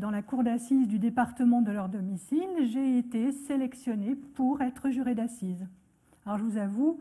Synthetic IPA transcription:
d̪ɑ̃lakuʁd̪asizd̪yd̪epaʁt̪əmɑ̃d̪əlœʁd̪ɔmisilʒeet̪eselɛksjɔnepuʁɛt̪χəʒyʁed̪asiz | alɔʁʒəvuzavu

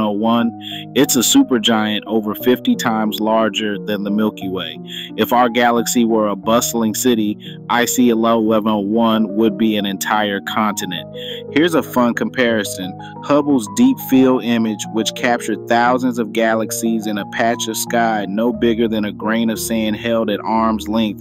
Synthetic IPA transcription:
oʊwʌ̃n | ɪtsəsʉpə˞d͡ʒaɪɨ̃ntoʊvə˞fɪftitʰãɪ̃mzlɑɹd͡ʒə˞ðɨ̃nðəmɪlˠkiweɪ | ɨfaʊə˞ɡælˠəksiwə˞əbʌsl̩ˠɪ̃ŋsɪɾi | ʔaɪsiɨlɛvl̩ˠɛvə̃noʊwʌ̃nwəd̚biɨ̃nɨ̃ntʰaɪə˞kʰɑ̃ntɨnɨ̰̃nt̚hɪɹzəfʌ̃nkʰɨ̃m̩pʰɛɹɨsɨ̃n | hʌbl̩ˠzdipfilˠɪ̃mɪd͡ʒwɨt͡ʃkʰæp̚t͡ʃə˞d̪̚θaʊzɨ̃nzʌvɡælˠəksizɨ̃nɨpʰæt͡ʃʌv̥skaɪnoʊbɪɡə˞ðɨ̃ñɨɡɹẽɪ̃nʌv̥sæ̃n̚ɦɛlˠdɨɾʔɑɹmzlɪ̃ŋk̚θ

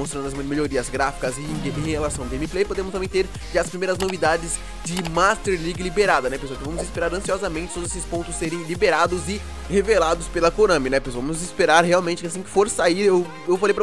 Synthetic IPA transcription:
most̪ɾɐ̃nd̪ɐzmeʎoɾiɐzɡɾafi̥kɐzɪ̃ẽhelasɐ̃w̃d̪ʊẽmɪplejpod̪ẽmʊst̪mẽj̃t̪eɾ | ʒaɐspɾimejɾɐznovid̪ad͡ʒɪz | d͡ʒɪmast̪eɾliɡɪlibeɾad̪ɐnɛpeswawkɪvɐ̃mʊzɪspeɾaɾɐ̃siɔzɐmẽnt͡ʃɪt̪od̪zesɪspõnt̪ʊsːeɾẽj̃libeɾad̪ʊzɪ | hevelad̪ʊspelɐkoɾɐ̃mɪnɛposvɐ̃mʊzispeɾaɾheawmẽnt͡ʃɪkasĩkɪ̥foɾsaiɾew | ewfalejpɾ

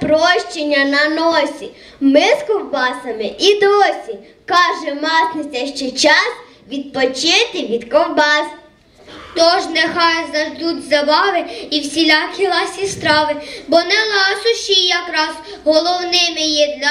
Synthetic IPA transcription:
pɾɔʃt͡ʃenʲːɐnɐnɔsʲi | mɪskɔwbɑsɐmɪʔid̪ɔsʲi | kɑʒɛmɑt̪nɪt͡sʲɛʃt͡ʃɛt͡ʃɑs | ʋʲid̪̚pɔt͡ʃɪt̪ɪʋʲid̪kɔwbɑs | t̪ɔʒnexɑjʊznɐʒd̪utʲzɐbɑʋɪiwsʲilʲɑkʲilˠɑsʲist̪ɾɑʋɪbɔnɛlˠɑsʊʃijɐkɾɑz | ɦɔlˠɔwnɪmɪjɛd̪lʲɐ

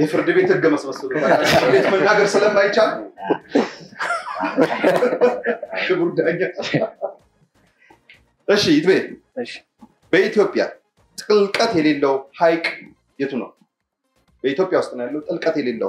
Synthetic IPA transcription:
jɛfɨɾd̪ɨbe̞t̪hɨɡːəməsməsːəlut̪aaɨbet̪mənːaɡəɾsɨləmːajt͡ʃːal | ɨbuɾd̪aɲːa | ʔɨʃːijɪt̪bəe | bəit̪ijo̞pʼja̰ | t̪ʼɨlkʼət̪jɛle̞lːəwhajkʼ | jɛt̪ʰunə̰w | bəit̪jo̞pʼjawʊst̪ʼɨnjalːəwt̪ʼɨlkʼət̪jɛlelːə̰w

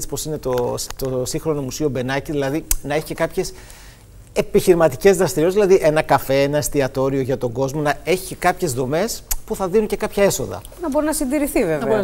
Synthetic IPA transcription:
isi̥po̞sine̞t̪ot̪osiŋxɾo̞no̞musio̞be̞nɐciðilɐðinɐe̞çi̥cekɐpçe̞s | e̞piçiɾimɐt̪ice̞zðɾɐst̪iɾiozðilɐðiʔe̞nɐkɐfe̞enɐest̪iɐt̪o̞ɾio̞ʝɐt̪o̞ɡo̞zmo̞nɐe̞çi̥ce̞kɐpçe̞zðo̞me̞spuθɐðinunce̞kɐpçɐe̞so̞̰ðɐ̰ | nɐbo̞ɾinɐsind̪iɾiθivevɐe

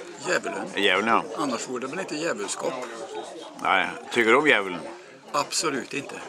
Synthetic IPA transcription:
jæːʋələ̰njæːʋəlnjɑʔɑnːɑʂʋuːd̪əblɪt̪ːəjæːʋəlskɔːp | næ̰ɪt̪ʰʏkːəd̪ʉɔmjæːʋəln̩ | ɑpsɔlʉt̪ɪnt̪ʰə

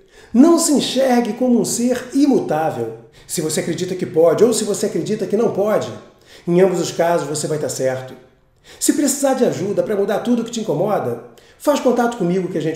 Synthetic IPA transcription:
nɐ̃w̃sɪẽʃɛɾɡɪkõmʊũseɾimut̪avḛw | sɪvoseakɾed͡ʒit̪ɐkɪpɔd͡ʒɪowsɪvoseakɾed͡ʒit̪ɐkɪnɐ̃w̃pɔd͡ʒɪ | ẽɐ̃bʊzʊʃkazʊʃvosevajt̪aɾsɛɾt̪ʊ̥ | sɪpɾesizaɾd͡ʒɪaʒud̪ɐpɾɐmud̪aɾt̪ud̪ʊkɪ̥t͡ʃɪĩkomɔd̪ɐ | faʃkõnt̪at̪ʊ̥kõmiɡʊkɪɐʒẽnt͡ʃ

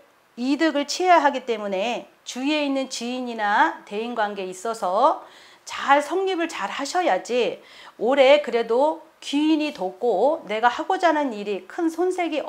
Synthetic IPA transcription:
idɯɡɯɭt͡ɕʰiaɦaɡit͈e̞mune̞ | t͡ɕue̞inːɯnt͡ɕiiɲinate̞inɡwanɡe̞is͈ʌsʰʌ | t͡ɕaɭsʰʌŋɲibɯɭt͡ɕaɾhaɕʰʌjad͡ʑi | oɾe̞kɯɾe̞do | kiiɲitok͈one̞ɡahaɡod͡ʑanɯniɾikʰɯnsʰonsʰe̞ɡi

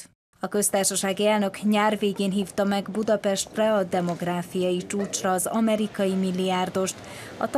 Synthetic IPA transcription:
ɒkø̞st̪aːrʃɒʃaːɡiɛlnø̞kɲaːrveːɡeːnɦiːft̪ɒmɛɡbud̪ɒpɛʃt̪rɛɒd̪ɛmo̞ɡraːfijɒjit͡ʃuːt͡ʃrɒːzɒmɛɾikɒjimilːijaːrd̪o̞ʃt̪ | ɒ̰t̪

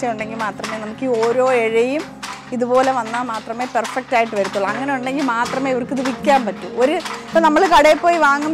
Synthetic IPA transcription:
jɐmuɳɖe̞ŋɡilmaːt̪rɐmeːnɐmukːio̞ːɾo̞ːeɻijum | iðupo̞ːle̞ʋɐnːamaːt̪rɐme̞ːperfɐk̚ʈaːjiʈːɨʋɐɾut̪ːuɭɐɐŋːɐne̞juɳɖe̞ŋɡilmaːt̪rɐmeːiʋɐrkɨt̪uʋikʲːaːmpɐtːuoɾuipːonɐmːɐɭkɐɽejpːo̞ːjiʋaːŋːum

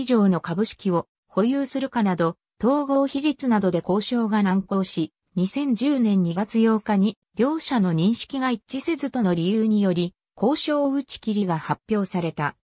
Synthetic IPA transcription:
iʑo̞ːno̞kabɯ̟ɕi̥kʲio̞ | ho̞jɯːsɨɾɯ̟kanad̪o̞ | t̪o̞ːɡo̞ːçiɾʲit͡sɨnad̪o̞d̪e̞ko̞ːɕo̞ːɡanãŋko̞ːɕi | ɲ̟isẽ̞ɲ̟d͡ʑɨːnẽ̞ɲ̟ːiɡat͡sɨjo̞ːkaɲ̟i | ɾʲo̞ːɕano̞ɲ̟ĩɰ̃ɕi̥kʲiɡait͡ɕise̞zɨt̪o̞no̞ɾʲijɯɯːɲ̟ijo̞ɾʲi | ko̞ːɕo̞ːɯ̟t͡ɕi̥kʲiɾʲiɡahapʲjo̞ːsaɾe̞t̪a

